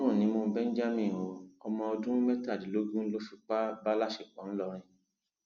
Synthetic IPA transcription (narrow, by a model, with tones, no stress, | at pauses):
ɾũ˦˨nĩ˧˦moː˧bɛ˦n̩˦d͡ʒa˦mĩ˦˨o˨ɔ˧mɔ̃˧ɔ˧dũ˦mɛ˦ta˦˨di˨lo˦ɡũ˦lo˦fi˨˧k͡pa˦ba˦la˦ʃe˦˨k͡pɔ̃˨˦n̩˦lɔ˦˧ɾ̃ĩ˧